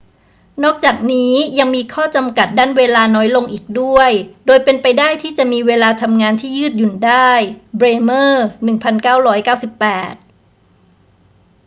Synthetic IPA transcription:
nɔː˥˩k̚t͡ɕaː˨˩k̚niː˦˥ja˧ŋmiː˧kʰɔː˥˩t͡ɕa˧mka˨˩t̪̚daː˥˩nweː˧laː˧nɔː˦˥jlo˧ŋʔiː˨˩k̚du˥˩əjdoː˧jpe˧npa˧jdaː˥˩jt̪ʰiː˥˩t͡ɕa˨˩ʔmiː˧weː˧laː˧t̪ʰa˧mŋaː˧nt̪ʰiː˥˩jɯː˥˩t̪̚ju˨˩ndaː˥˩jbɾeː˧mɤː˥˩nɯ˨˩ŋpʰa˧nkaː˥˩wɾɔː˦˥jkaː˥˩wsi˨˩pːɛː˨˩t̪̚

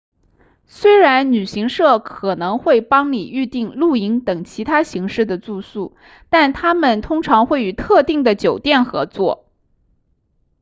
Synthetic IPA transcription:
swe˥ɪɻa˧˥nny˨˩ɕi˧˥ŋʂɤ˥˩kʰɤ˨˩nɤ˧˥ŋxwe˥˩ɪpɑ˥ŋni˨˩y˥˧t̪i˥˧ŋlu˥˩i˧˥ŋt̪ɤ˨˩ŋt͡ɕʰi˧˥t̪ʰa˥ɕi˧˥ŋʂɻ̩˥˩d̪ə˩t͡su˥˧su˥˩ | t̪a˥˩nt̪ʰa˥mə˨nt̪ʰʊ˥ŋʈ͡ʂʰɑ˧˥ŋxwe˥˩ɪy˨˩t̪ʰɤ˥˧t̪i˥˩ŋd̪ə˩t͡ɕjo˨˩ʊt̪jɛ˥˩nxɤ̰˧˥t͡swɔ̰˥˩

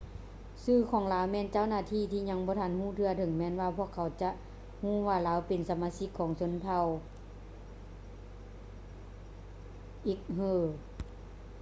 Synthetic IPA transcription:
sɯː˧˩˨kʰɔː˨˩˦ŋlaː˨˦wmɛː˧˥˨nt͡ɕa˧˥˨wnaː˧˨t̪ʰiː˧˨t̪ʰiː˧ɲa˧˥ŋbɔː˧˦t̪ʰa˧˥˨nhuː˧˥˩t̪ʰɯ˧ɐt̪ʰɤ˨˦ŋmɛː˧˥˨nwaː˧pʰu˧˨əkʰːa˨˩wt͡ɕa˧˦ʔ | huː˧˥˨waː˧˩laː˨˦˥wpe˨nsa˨˧˦maː˧˥si˧˥kʰːɔː˨˦ŋso˧˥˦nt̪ʰa˧˩w | ʔiː˧˦k̚hɤː˧˩

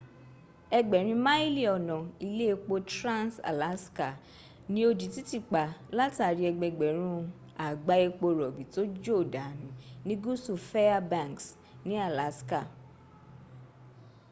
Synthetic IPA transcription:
ɛ˧ɡ͡bɛ˨ɾ̃ĩ˧mã˦i˦li˦ɔ˨nɔ̃˨i˧le˦˧k͡po˧tɾã˦˨nsa̰˨la˨˦ska˨ | nĩ˨˦o˧d͡ʒi˨ti˦ti˦˨k͡pa˨la˦ta˨ɾi˧˦ɛ˧ɡ͡bɛ˧ɡ͡bɛ˨ɾ̃ũ˦ | a˨ɡ͡ba˨˦e˧k͡po˧ɾɔ˨bi˨to˦d͡ʒo˦˨da˨nĩ˨˦nĩ˦ɡu˦su˨fɛ˦a˦bã˦˨ŋks | nĩ˨˦a˦˨la˨˦ska˦˨

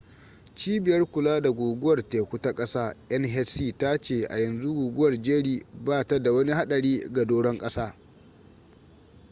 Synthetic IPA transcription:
t͡ʃiː˦bɪ˨jɐ˦rkʷʊ˨laː˦da˨ɡʷoː˨ɡʊ˦wɐ˨rteː˨kʷu˦ta˦kʼɐ˦saː˦ʔɐ˦nɦɛ˦siː˦˨ta˦t͡ʃeː˨ʔa̰˨jɐ˨nzu˦ɡuː˨ɡʷʊ˦wɐ˨rd͡ʒeː˦ɽiː˦baː˦˨ta˦da˨wɐ˦ni˦ɦa˦ɗɐ˨ɽiː˦ɡa˨doː˦ɽɔ˦ŋkʼɐ˦saː˦

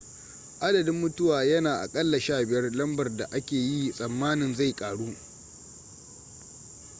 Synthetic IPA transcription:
ʔa˦dɐ˨dɪ˦mːʊ˦tʊ˦waː˨jɐ˦naː˨ʔa̰˨kʼɐ˦lːa˨ʃaː˦bɪ˨jɐ˦rlɐ˦mbɐ˨rda˨ʔa˦kʲeː˨ji˦sʼɐ˨mːaː˦nɪ˨nza˦˨jkʼaː˨ɽuː˦

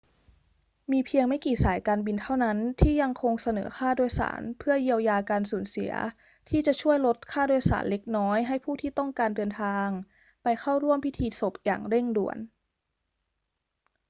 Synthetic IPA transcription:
miː˧pʰi˧əŋma˥˩jkiː˨˩saː˩˦jkaː˧nbi˧nt̪ʰa˥˩wna˦˥nt̪ʰiː˥˩ja˧ŋkʰo˧ŋsa˧nɤ̰ː˩˦xʰaː˥˩doː˧jsa̰ː˩˦npʰɯ˥˩ɐji˧əwjaː˧kaː˧nsuː˩˦nsḭ˨˩˦ɐ | t̪ʰiː˥˩t͡ɕa˨˩t͡ɕʰu˥˩əjlo˦˥t̪̚kʰaː˥˩duː˧əjsa̰ː˩˦nle˧˦˥k̚nɔː˦˥jɦa˥˩jpʰuː˥˩t̪ʰiː˥˩˨t̪ɔ˥˩ŋkaː˧ndɤː˧nt̪ʰaː˧ŋ | pa˧jxʰa˥˩wɾu˥˩əmpʰi˦˥t̪ʰiː˧so˨˩˦p̚ja̰ː˨˩ŋɾe˥˩ŋdṵ˨˩ən

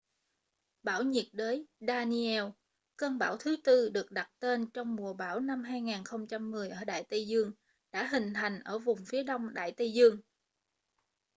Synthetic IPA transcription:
ɓaː˧˩wɲi˨˩ət̚ɗəː˨˦jɗaː˧ni˧ɛ˧w | kəː˧nɓaː˧˩wt̪ʰɨ˨˦t̪ɨ˧ɗɨ˨˩ək̚ɗa˨˩t̚t̪e˧nt͡ɕɔ˧wŋ͡mmu˨˩əɓaː˧˩wna˧mɦaː˧jŋaː˨˩nxə˧wŋ͡mt͡ɕa˧mːɨ˨˩əjʔəː˧˩ɗa̰ː˧˨jt̪ə˧jzɨ˧əŋ | ɗa̰ː˧˥ɦï˨˩ŋ̟t̪ʰa˨˩jŋ̟ʔəː˧˩vʊ˨˩ŋ͡mfi˨˦əɗə˧wŋ͡mɗa̰ː˧˨jt̪ə˧jzɨ˧əŋ

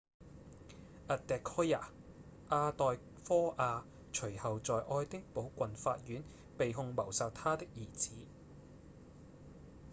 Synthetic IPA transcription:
ʔɐ˨tt̪ɛː˨˧kʰːɔː˥ja̰ː˨˩ | ʔaː˧t̪ɔː˨j | fɔː˥ʔaː˧ | t͡ʃʰɵ˨˩ɥhɐ˨wt͡sɔː˨jʔɔː˧jt̪ɪ˥ŋpo˨˥wkʷɐ˨nfaː˧t̚jyː˨˥n | pe˨jɦʊ˨˧ŋmɐ˨˩wsaː˨t̚t̪ʰaː˥t̪ɪ˥k̚jiː˨˩t͡sʰiː˨˥

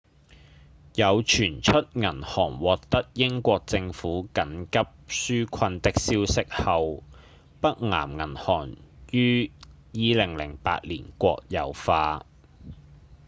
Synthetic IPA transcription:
jɐ˨˧wt͡ʃʰyː˨˩nt͡ʃʰɵ˥t̚ŋɐ˨˩nhɔː˨˩ŋwɔː˨k̚t̪ɐ˥k̚jɪ˥ŋkʷɔː˧k̚t͡sɪ˧ŋfuː˨˥kɐ˨˥nkɐ˥p̚syː˥kʰɐ˧nt̪ɪ˥k̚siː˥wsɪ˥k̚hɐ˨˧w | pɐ˥k̚ŋa̰ː˨˩mŋɐ˨˩nhɔː˨˩ŋjyː˥ | jiː˧lɪ˨˩ŋlɪ̰˨˩ŋpa̰ː˧t̚lḭː˨˩nkʷɔ̰ː˧k̚jɐ̰˨˧wfaː˧

